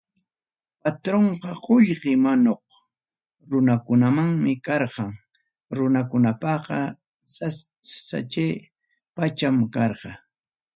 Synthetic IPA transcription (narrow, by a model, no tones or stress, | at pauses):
pat̪ɾoɴqɑqʊʎqɪmanoq | ɾʊnakʊnamaŋmɪkɑɾqɑŋ | ɾʊnakʊnapɑqɑ | sa | sa̰t͡ʃe | pat͡ʃamkɑɾqɑ